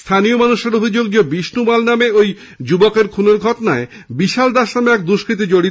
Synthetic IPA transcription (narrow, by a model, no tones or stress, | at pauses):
st̪ʰanijomanuʃeɾobʱid͡ʑoɡd͡ʑobiʃnumalnameoj | d͡ʑubokeɾkʰuneɾɡʱɔʈonae | biʃald̪aʃnameɛk̚d̪uʃkɾit̪̬id͡ʑoɽi